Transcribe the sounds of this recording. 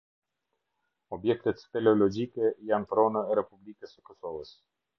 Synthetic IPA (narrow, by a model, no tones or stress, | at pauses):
ɔbjɛk̚t̪ət̪fɛlɔlɔd͡ʒikɛjant̪ɾɔnəɛɾɛpublikəsəkɔsɔvəs